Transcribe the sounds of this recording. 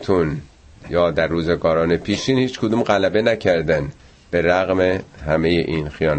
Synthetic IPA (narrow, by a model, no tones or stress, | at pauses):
t̪ʰun | jɒːd̪æɾːuːzeɡɒːɾɒːnepʰiːʃiːnhiːt͡ʃkʰod̪uːmɢælæbe̞næcʰæɾd̪æn | b̥e̞ɾæɣmehæmejeʔiːnxijɒːn